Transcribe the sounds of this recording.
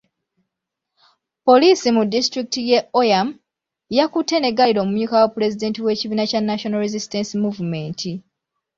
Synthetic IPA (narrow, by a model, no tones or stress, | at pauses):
po̞liːsimudːistɾikitijeʔojam | jakute̞ne̞ɡaliɾo̞ːmumjuːkawapuɾe̞zide̞ːntiwe̞ːciβiːnacanːaʃo̞naɾezistensimuvume̞ːntʰi